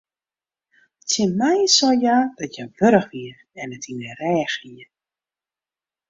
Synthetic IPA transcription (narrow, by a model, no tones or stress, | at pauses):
tɪmɛjsɔjadɔtjaʋøɾəxʋiər | ɛnətʰinərɛːxiə